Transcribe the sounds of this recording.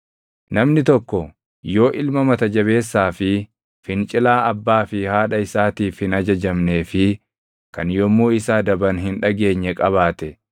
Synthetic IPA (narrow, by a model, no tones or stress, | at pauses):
nɐmnɪt̪ɔkːɔ | jo̞ːʔɪlmɐmɐt̪ɐd͡ʒɐβe̞ːsːaːfɪ | fɪnt͡ʃʼɪlaːɐbːaːfɪhaːᶑɐɪsaːt̪iːfhɪnɐd͡ʒɐd͡ʒɐmne̞ːfɪ | kɐnjɔmːuːɪsaːd̪ɐbɐnɦɪnᶑɐɡe̞ːɲːɛkʼɐβaːt̪ɛ